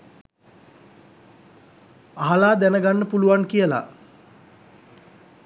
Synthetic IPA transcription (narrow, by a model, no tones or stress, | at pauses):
aɦalaːd̪ænəɡanːəpuluʋaŋkijəla̰